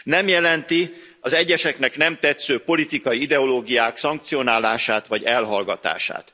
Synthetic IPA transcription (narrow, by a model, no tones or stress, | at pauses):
nɛmjɛlɛnt̪i | ɒzɛɟːɛʃɛknɛknɛmt̪ɛt̪søːpo̞lit̪ikɒjiid̪ɛo̞loːɡijaːksɒŋk̚t̪sijo̞naːlaːʃaːt̪ʋɒɟɛlɦɒlɡɒt̪a̰ːʃa̰ːt̪